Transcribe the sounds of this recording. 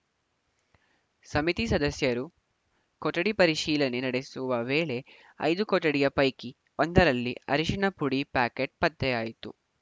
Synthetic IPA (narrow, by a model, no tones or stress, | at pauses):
sɐmit̪isɐd̪ɐsjɐɾu | koʈːɐɽipɐɾiʃiːlɐne̞nɐɽesuʋɐʋeːɭe̞ | ɐ̰jd̪ukoʈːɐɽijɐpɐjki | ond̪ɐɾɐlːiɐ̰ɾiʂiɳɐpuɽipaːkeʈ̚pɐd̪ːɛjaːjit̪ṵ